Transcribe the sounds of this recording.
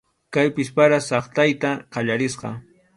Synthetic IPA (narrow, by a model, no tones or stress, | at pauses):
kajpɪspaɾasɑχt̪ajt̪aqɑʎaɾɪsqɑ̰